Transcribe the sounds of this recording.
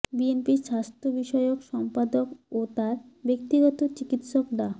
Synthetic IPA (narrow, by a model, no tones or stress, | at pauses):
bienpiɾʃast̪ɾobiʃɔeokʃɔmpad̪okot̪aɾ | bek̚t̪iɡɔt̪ot͡ɕikit̪ʃokɖa